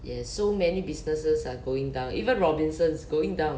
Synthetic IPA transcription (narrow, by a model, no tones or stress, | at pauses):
jɛsːomɛnibisnəsəsaɡoɪ̃ŋdãʊ̃nʔḭvə̃nɹɔbĩnsə̃nsɡoĩŋdãʊ̃n